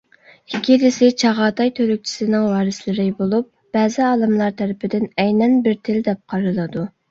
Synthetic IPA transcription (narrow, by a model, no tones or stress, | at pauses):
hkʲʰilɪsɪt͡ʃʰɑʁɑːt̪ʰɑjt̪ʰølyk̚ʲt͡ʃʰi̥sɪnɪŋwɑːɾɪslɪɾɪbolˠup̚ | b̥ɛːzɪɑːlˠɨmlˠɑɾt̪ʰɛɾɪpʰɪd̪ɪnɛjnɛnbɪɾt̪ʰɪld̪ɛp̚qʰɑɾɨlˠɨd̪u